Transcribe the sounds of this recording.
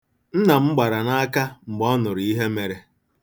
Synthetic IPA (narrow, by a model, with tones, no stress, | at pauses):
n̩˦na˨m̩˦ɡ͡ba˨ɾa˨na˦a˦ka˦ŋ͡m̩˨ɡ͡bɔ˦nʊ˨ɾi˦ɦe˦me˨ɾe˦